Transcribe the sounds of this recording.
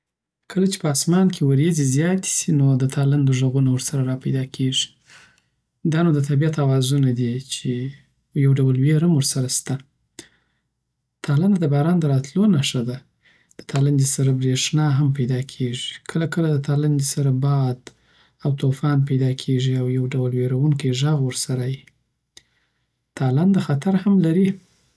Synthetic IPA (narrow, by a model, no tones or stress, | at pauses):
kəlat͡ʃe̥pəɑsmɑnkʰewaɾezizjɑt̪i̥sinod̪ət̪ʰɑland̪əʐəɣunawɾsaɾaɾɑpajd̪ɑkʰeʐi̥ | d̪ɑnod̪ət̪abiat̪awɑzunad̪it͡ʃe | jawɖawəlweɾhamwəɾsaɾast̪a | t̪ɑland̪ad̪əbɑɾɑnd̪əɾɑt̪lonaʂad̪a | d̪̥ə̥t̪ʰɑland̪isaɾabɾeʂnɑɦampajd̪ɑkʰeʐikʰəlakəlad̪ət̪aland̪isaɾabɑd̪ | awt̪ofɑnpajd̪ɑkʰeʐiawjawɖawəlweɾawuŋkəjʒaɣwəɾsaɾaji | t̪ʰɑland̪əxat̪aɾhamlaɾi